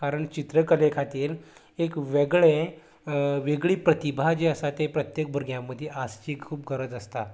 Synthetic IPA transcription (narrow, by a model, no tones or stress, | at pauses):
kaɾəɳt͡ɕit̪ɾəkəlekʰat̪iːɾ | ekʋeɡɭe | ʋeɡɭiːpɾət̪ibʱad͡ʑeəsat̪epɾət̪jek̚bʱəɾɡjãmːəd̪ʱːjeʔast͡ɕiːkkʰuːpɡʱəɾəd͡zəst̪a